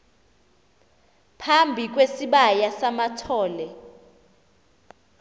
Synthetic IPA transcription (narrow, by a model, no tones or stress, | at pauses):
pʰambʱik̬wesiɓajasamatʰɔːlɛ